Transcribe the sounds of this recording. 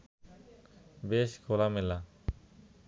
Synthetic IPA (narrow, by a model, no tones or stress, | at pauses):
beʃkʰolamela